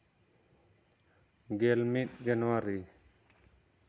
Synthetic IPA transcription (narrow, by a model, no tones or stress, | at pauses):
ɡelmit̪̚d͡ʒənwaɾi